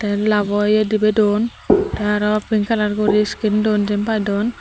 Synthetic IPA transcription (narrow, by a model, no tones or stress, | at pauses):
t̪alabɔjɛdibɛdɔn | taaɾɔapinkalaɾkɔɾiskindɔnzɛmpajdɔn